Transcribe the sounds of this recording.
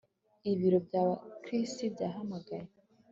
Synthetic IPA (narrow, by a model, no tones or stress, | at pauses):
iβiɾobjaːβakɾistibɟaːɦamaɡaje